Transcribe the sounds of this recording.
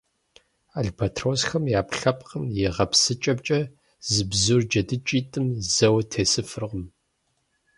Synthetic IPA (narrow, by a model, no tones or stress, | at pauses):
aɮpʰɐtʰroːsxɐmjaːpɬɐp̚ʼqəmjɛʁɐpsɨt͡ʃʼɐbt͡ʃʼɐ | zɨbzurd͡ʒɐdɨt͡ʃʼiːtʼɨmzɐwɐtʰeːsɨfɨrʁʷm